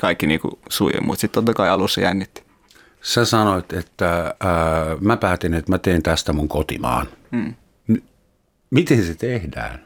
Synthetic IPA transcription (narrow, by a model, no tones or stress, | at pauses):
kɑikːinḭːkṵsuijḛmṵːt̪sit̪t̪ot̪ːɑkɑiɑlusːɑjænːit̪ːi̥ | sæsɑnoit̪et̪ːæ | mæpæːt̪enet̪mæt̪eːnt̪æst̪æmuŋkot̪ḭmɑ̰ːnː | n | mit̪enset̪ehdæ̰ːn